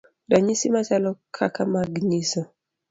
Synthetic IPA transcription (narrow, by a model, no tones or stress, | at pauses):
daɲisimat͡ʃalɔkʰakamaɡɲisɔ